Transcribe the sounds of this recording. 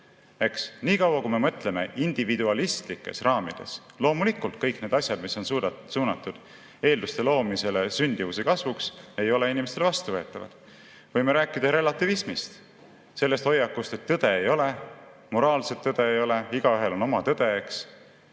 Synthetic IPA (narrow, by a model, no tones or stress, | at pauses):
e̞ksniːkɑwɑkume̞mɤt̪ˑle̞me̞̰ʔind̪̥ivid̪uɑlist̪likːˑe̞̰srɑːmid̪̥e̞̰s | lo̞ːmulikult̪̚kɤjkne̞ːd̪ɑsʲjɑd̪misːo̞nsuːd̪suːnɑt̪ːˑud̪̥ | e̞ːld̪ust̪e̞lo̞ːmise̞lesynʲd̪̥ivusekɑsvukse̞jo̞le̞inimest̪elvɑst̪uvɤ̞et̪ːˑɑvɑ̰d̪̥ | vɤjmeɾæːkːˑid̪ɑɾe̞lɑt̪ːˑivismist̪ | se̞lːe̞st̪ho̞jːɑkːˑust̪e̞t̪ːɤd̪̥e̞ejo̞le̞ | mo̞ɾɑːlse̞t̪ːɤd̪̥e̞ejo̞le̞iɡ̥ɑyɦe̞lo̞no̞mɑt̪ɤd̪̥e̞eks